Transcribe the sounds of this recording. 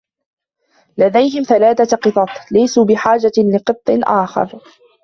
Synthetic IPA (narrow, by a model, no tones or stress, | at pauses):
lad̪ajɦɪmθalaːθaqɨt̪ˤɑt̪ˤlajsuːbɪħaːd͡ʒalɪqɨt̪ˤːɨʔaːxɑ̰ɾˤ